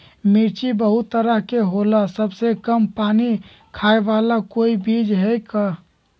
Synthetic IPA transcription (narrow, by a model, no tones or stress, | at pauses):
miɾt͡ʃibəɦʊt̪ːəɾəɦkeɦoːlasəbsekəmpaːni | kʰaːeʋaːlakoːibiːd͡ʒɦɛka